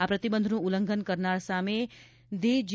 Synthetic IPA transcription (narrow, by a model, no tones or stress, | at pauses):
apɾət̪ibənd̪ʱnũuləŋɡʱənkəɾnaɭsame | d̪ed͡ʒ